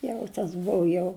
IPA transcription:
ˈjɛʊ tɐs ˈbʊʋʊ jɛʊ

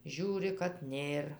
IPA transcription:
ˈʒʲuːrʲɪ kɐt ˈnʲeːr

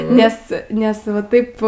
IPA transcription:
ˈnʲɛs ˈnʲɛs ʋɐ ˈtɐɪp

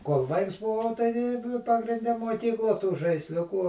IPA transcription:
koːlˠ ˈʋɐɪks bʊˈʋɐʊ ˈtɐɪ nʊ pɐɡrʲɪnʲˈdʲɛ muɔˈkʲiːklˠuɔ tuː ʒɐɪsʲˈlʲʊkuː

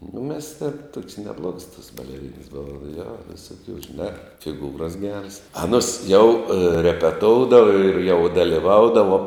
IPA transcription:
nʊ mʲɛs tʲeːn tuɔkʲsʲ nʲɛˈblˠuɔks toːs bɐlʲɛˈrʲiːnɐs ˈboːʋɐ joː ʋʲɪsʊˈkʲuː ʒʲɪˈnɑː fʲɪˈɡuːrɐs ˈɡʲæːrɐs ɐˈnʊs jɛʊ rʲɛpʲɛˈtoːʊdɐʋɐ ɪr jɛʊ dɐlʲɪˈʋɐʊdɐʋoː

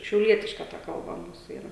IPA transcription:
ʃʲɛʊˈlʲiɛtʲɪʃkɐ tɐ kɐlˠˈbɐ ˈmuːsʊ ˈiːrɐ

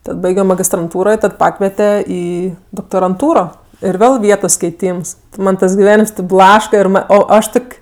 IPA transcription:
ˈtɐt ˈbɐɪɡʲoː mɐɡʲɪstrɐnˈtuːroː ɪ ˈtɐt ˈpɑːkʋʲiɛtʲɛ ˈiː doːktoːrɐnˈtuːroː ɪr ˈʋʲeːlˠ ˈʋʲiɛtoːs kʲɛɪˈtʲiːms ˈmɐn ˈtɐs ɡʲɪˈʋʲæːnʲɪms tʲɛp ˈblˠɑːʃkɐ ɪr ˈmɐ ˈoː ˈɐʃ ˈtoːkʲ

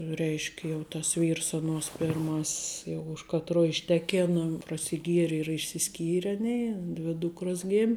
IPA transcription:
ˈrʲɛɪʃʲkʲ jɛʊ tɐs ˈʋʲiːrs ɐˈnuɔs pʲɪrˈmɐsʲs jɛʊ ʊʃ kɐtˈruɔ ɪʃʲˈtʲæːkʲeːnɐ prɐsʲɪˈɡʲiɛrʲɪ ɪr ɪ ɪʃʲsʲɪˈsʲkʲiːrʲɛ ˈɑːˌnʲeːɪ ˈdʲʋʲɪ ˈduːkroːs ˈɡʲeːmʲ

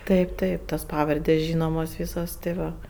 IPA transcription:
ˈtɐɪp ˈtɐɪp toːs ˈpɑːʋɐrʲdʲeːsʲ ˈʒʲiːnoːmoːs ˈʋʲiːsoːs tʲeː ˈʋɐ

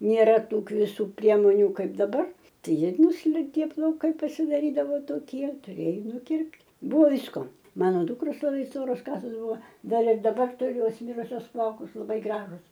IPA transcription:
nʲeːˈrɐ ˈtuː kʋʲɪˈsuː ˈpʲrʲiɛmoːnʲʊ ˈkɐɪp dɐˈbɐr ˈtɐɪ ˈjiɛ ˈnʊsʲlʲɪŋʲkʲeː plˠɐʊˈkɐɪ pɐsʲɪdɐˈrʲiːdɐʋoː toːˈkʲiɛ tʊˈrʲeːjoː nʊˈkʲɪrʲpʲtʲ ˈbʊʋoː ˈʋʲiːskoː ˈmɑːnoː ˈdʊkroːs lˠɐˈbɐɪ ˈstoːroːs ˈkɑːsoːs ˈbʊʋɐ ˈdɐr ɪr dɐˈbɐr tʊˈrʲʊ ˈjoːs ˈmʲɪrʊsʲoːs ˈplˠɐʊkʊs lˠɐˈbɐɪ ˈɡrɑːʒʊs

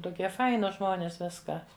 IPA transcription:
tʊˈkʲiɛ ˈfɐɪnʊs ˈʒmoːnʲeːs ˈʋʲɪskɐ

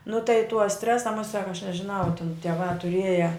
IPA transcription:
nʊ tɐɪ tuɔ ˈsʲtʲrʲæːsɐ mʊˈsʲɛk ɐʃ nʲɛʒʲɪˈnɐʊ tʲɪn tʲiɛˈʋɑː tʊˈrʲiɛjɛ

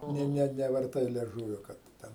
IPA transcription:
ˈnʲɛ nʲɛ nʲɛʋɐrˈtɐɪ lʲiɛˈʒuːʋʲoː ˈkɐt ˈtʲɛn

